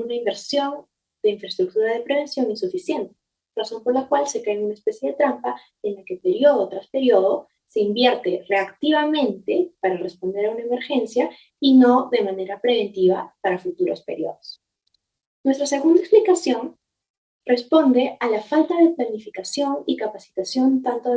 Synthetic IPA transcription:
unaimbeɾsjo̞n | d̪e̞iɱfɾest̪ɾuk̚t̪uɾaðe̞pɾe̞β̞e̞nsjo̞nisufisje̞nt̪e̥ | raso̞mpo̞ɾlakwalse̞kaenunaespe̞sje̞ðe̞t̪ɾampa | enlake̞pe̞ɾjo̞ð̞o̞t̪ɾaspe̞ɾjo̞ð̞o̞ | se̞imbje̞ɾt̪e̞re̞akt̪iβamẽ̞nt̪e̞paɾare̞spo̞nd̪e̞ɾaunaeme̞ɾxe̞nsja | ino̞ðe̞mane̞ɾapɾe̞β̞e̞nt̪iβ̞a̰paɾafut̪uɾo̞̰spe̞ɾjo̞̰ðos | nwest̪ɾase̞ɣund̪aeksplikasjo̞n | re̞spo̞nd̪e̞alafalt̪aðe̞planifikasjo̞nikapasi̥t̪asjo̞nt̪ant̪o

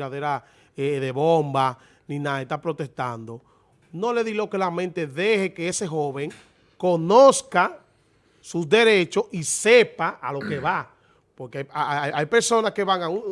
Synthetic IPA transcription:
ɾaðe̞ɾa | eðe̞βo̞mba | nĩnaðet̪apɾo̞t̪e̞st̪and̪o̞ | no̞le̞ðilo̞ke̞lamẽnt̪e̞ðe̞he̞ke̞ese̞ɦo̞βe̞ŋ | ko̞no̞ska | susd̪e̞ɾe̞t͡ʃo̞sise̞paʔalo̞ke̞βa | po̞ɾkeaaaajpe̞ɾso̞naske̞βaŋau

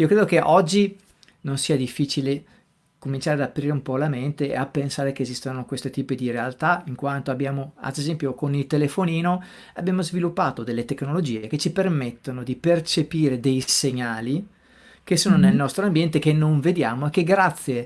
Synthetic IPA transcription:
iokɾeːd̪okeʔɔd͡ʒːi | nonsiːad̪ifːiːt͡ʃile | komint͡ʃaːɾead̪apːɾiːɾeumpɔlament̪eapːensaːɾekeːzist̪onokwest̪et̪iːpid̪iɾealt̪aiŋkwant̪oabjaːmoa̰d̪ezɛmpjokonilt̪elefoniːno | abːjaːmozvilupːaːt̪od̪elːet̪eknolod͡ʒiːeket͡ʃipermet̪ːonod̪ipert͡ʃepiːɾed̪ejseɲaːli | kesoːnonelnɔst̪ɾoambjɛnt̪ekenːoɱved̪jaːmoekːeɡɾat̪sːje

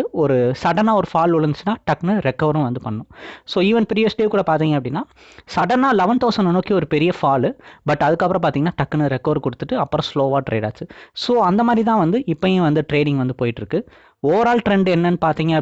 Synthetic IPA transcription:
ɔɾɯsɐɽɐnaːɔɾɯfaːlʊɻɐnd̪ɯt͡ʃːɯnːaːʈɐkːnɯɾɛkːɐʋɐɾʊ̃ʋɐnd̪ɯpɐɳːɐnʊ̃soːiːʋɐnpɪɾɪjosʈːijeːkːuːɽɐpaːɾt̪iːŋɡɐpːɐɽɪnːaː | sɐɽɐnaːlɐʋɐnt̪oːsɐnɯnoːkːiɔɾɯpɛɾɪjɐfaːlbɐʈːɐðɯkːɐpːɯɾɐ̃paːɾt̪iːŋɐnːaːʈɐkːnɯɾɛkːɐʋɐɾkɔɽɯt̪ːɯʈːɯɐpːɯɾɐ̃sloːʋaːʈɾḛːɽa̰ːt͡ʃɯsoːɐnd̪ɐmaːðɾit̪ãːʋɐnd̪ɯɪpːɐjẽʋɐnd̪ɯʈɾeːɽɪ̃ŋɡʋɐnd̪ɯpoːjɪʈːɪɾɯkːɯ | oːʋɐɾaːlʈɾɛɳɖɛnːɐnːɯpaːɾt̪iːŋɡɐɐ

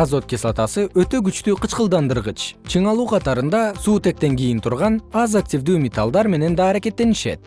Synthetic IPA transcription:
azo̞t̪̚kʲeslˠat̪ɑsɯʔøt̪ø̞ɡyt͡ʃt̪yːqɯt͡ʃqəlˠd̪ɑnd̪ɯɾʁɯt͡ʃt͡ʃʰɯɴɑlˠuːqʰɑt̪ɑɾɯnd̪ɑsuːt̪ek̚t̪e̞ŋɡʲijint̪ʰuɾʁɑnɑzak̚tʲivd̪yːmʲɪt̪alˠd̪ɑɾme̞ne̞nd̪ɑːɾake̞t̪ːe̞niʃḛt̪̚

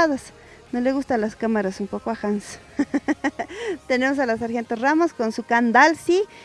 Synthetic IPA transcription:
aðas | noleɣust̪alaskamaɾasumpokoaxans | t̪enemos̬alas̬aɾxent̪esramoskonsukand̪alsi

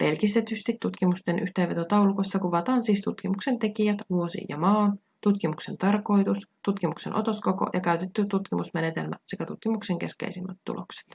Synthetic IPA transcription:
pe̞lkist̪e̞t̪yst̪it̪ːut̪kimust̪enʔyht̪eːʋe̞t̪o̞t̪ɑwluko̞jsːɑkuʋɑt̪ɑːnsiːst̪ut̪k̟imukse̞nt̪e̞kijæt̪ʋuosḭjɑ̰mɑːn | t̪ut̪k̟imukse̞nt̪ɑrko̞jt̪ust̪ut̪kimukse̞nʔo̞̰t̪o̞sko̞ko̞̰jʔɑkæyt̪et̪ːyt̪ut̪kimusmene̞t̪e̞̰lmæ̰sekæt̪ut̪kimukse̞ŋk̟e̞skḛjsimːæt̪t̪ːṵlo̞̰kse̥t̪

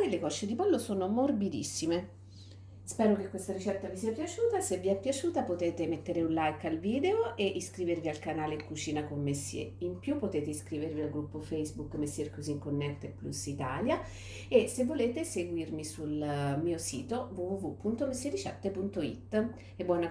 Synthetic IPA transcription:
pjlekɔʃːed̪ipɔlːosoːnomorbid̪ḭsːime | spɛːɾokekːwest̪aɾit͡ʃɛt̪ːavisiːapjat͡ʃuːt̪asevːiɛpːjat͡ʃuːt̪apot̪eːt̪emet̪ːeɾeunlajkalviːd̪eoʔeʔiskɾiːvervialkanaːlekut͡ʃiːnakommesːjḛimpjupːot̪eːt̪eiskɾiːvervialɡɾupːofɛjzbukːmesːjerkoziŋkonːɛt̪epːlṵsit̪aːlja | esevːoleːt̪eseɡwirmisulmiːosḭːt̪ovuvuvupːunt̪omesːjeɾit͡ʃɛ̰t̪ːepunt̪oḭt̪ː | ebːwɔːna

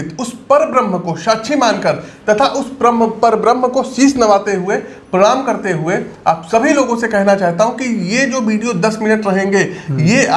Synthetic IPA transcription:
t̪ʊspɐɾbɾə̃m̤ːəkoʃɐːʃʰimaːnkɐɾt̪ɐt̪ʰaʔʊspɾəmpɐɾbɾəmɦəkosiːsnɐʋaːt̪eɦue | pɾɐɽaːmkɐɾt̪eɦueaːpsɐbʱiloːɡõsekɛɦnat͡ʃaːɦt̪aɦũkijed͡ʒoːʋiːɖijod̪ɐsmɪnəʈɾɐɦẽːŋɡeːje

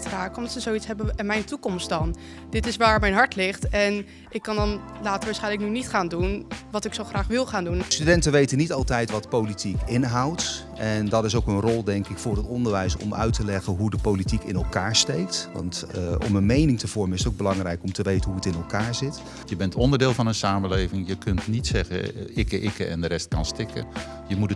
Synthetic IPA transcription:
traːkɔmdɑtsəzowitsɦɛbəmɛjntukɔmst̚dɑn | dɪtɪsʋaːɹmɛjnɦɑɹtlɪχtɛn | ɪkːɑndɑn | laːtəɹʋaːɹsχɛjnləknynitχaːndunʋɑtɪksowχraːχʋɪlˠχaːndunstydɛntənʋejtənitɑlˠtɛjtʋɑtpowlitikɪnɦɑwt | ɛndɑtɪs̬owkənrɔlˠdɛŋkɪkfʊːrətɔndəɹʋɛjsɔ̰mœ̰ɥtəlɛχənɦudəpowlitikɪnɛlˠkaːɹstejk̚tʋɑ̰ntʔɔ̰mənmejnɪŋtəv̥ɔɹmənɪsətowɡ̚bəlɑŋrɛjkɔmtəʋejtənɦuətɪnɛlˠkaːɹzɪt | jəbɛntɔndəɹdɪːlˠvɑnənsaːməlejvɪŋjəkɵntnitsɛχə̰ɪkəʔɪkəɛ̰ndəɾɛst̚kɑ̰nstɪkə̰ | jəmutə

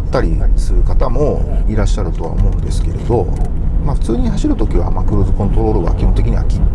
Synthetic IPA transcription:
t̪ːaɾʲisɨɾɯ̟kat̪amo̞iɾaɕːaɾɯ̟t̪o̞βa̰o̞̰mo̞ɯ̟nd̪e̞sɨ̥ke̞ɾe̞d̪o̞maɸɯ̟̥t͡sɨːɲ̟ihaɕiɾɯ̟t̪o̞kʲiβa̰makɯ̟ɾɯːzɨkõ̞nt̪o̞ɾo̞ːɾɯ̟ɡa̰kʲihont̪e̞kʲiɲ̟iβa̰kʲi

